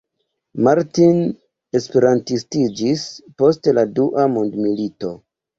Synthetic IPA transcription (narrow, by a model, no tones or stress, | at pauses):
maɾtin | e̞spe̞ɾantistid͡ʒispo̞steladuʔamondmilito̞